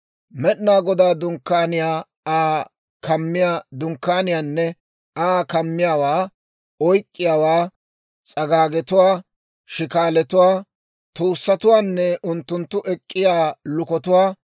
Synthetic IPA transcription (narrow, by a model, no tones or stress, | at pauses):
mɛɗnaːɡɔd̪aːd̪ʊŋkːaːnɪjaː | aː | kɐmːɪjad̪ʊŋkːaːnɪjaːnːɛ | aːkɐmːɪjaːwaː | ɔjkʼːɪjaːwaː | t͡sʼɐɡaːɡɛt̪ʊwaː | ʃɪkaːlɛt̪ʊwaː | t̪uːsːɐt̪ʊwaːnːɛʊnt̪ːʊnt̪ːʊʔɛkʼːɪjaːlʊkɔt̪ʊwaː